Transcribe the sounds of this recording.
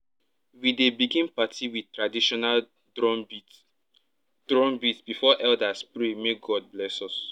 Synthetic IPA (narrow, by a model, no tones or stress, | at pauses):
widebiɡĩnpatʰiwi̥tɹadiʃɔnal | ɔ | d̥ɹɔ̃nbitb̥ifɔʔɛldaspɹemeɡɔd̚blɛsɔs